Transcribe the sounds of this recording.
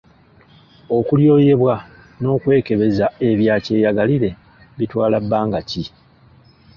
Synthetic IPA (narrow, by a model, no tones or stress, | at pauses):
o̞kuljo̞ːje̞βwa | no̞ːkwe̞ːke̞βe̞zae̞βjaːce̞ːjaɡaliɾe̞ | βitwaːlabːaːŋɡaci